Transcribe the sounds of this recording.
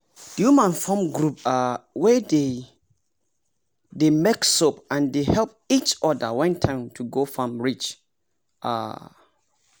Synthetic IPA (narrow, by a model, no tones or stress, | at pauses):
d̥jumãnfɔ̃mɡɾup̚awɛde | demeksopãndehɛlp̚it͡ʃɔdawɛ̃ntʰãɪ̃mtʰuɡofãmɹit͡ʃ | a̰